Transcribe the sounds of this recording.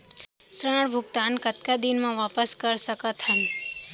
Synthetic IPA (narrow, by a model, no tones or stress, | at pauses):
sɾãɽbʱʊɡt̪ankət̪̚kad̪inmãʋapəskəɾsəkat̪ʰən